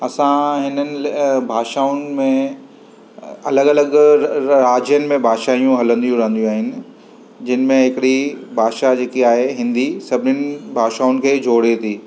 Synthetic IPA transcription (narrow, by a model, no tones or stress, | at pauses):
ɐsãɦɪnənɪ̆bʱaːʃaːʊnɪ̆mẽ | ɐləɡɐləɡɾaːd͡ʑjənɪ̆mẽbʱaːʃaːijũɦɐlə̃nd̪ijũɾɐɦə̃n̆d̪iũaːɦɪnɪ̆ | d͡ʑɪnɪ̆mẽɦɪkɪɽibʱaːʃad͡ʑeːkiaːɦeɦɪ̃nd̪isɐbʱɪnənɪ̆bʱaːʃaːʊnɪ̆kʰeːd͡ʑʱoːɽet̪ʰiː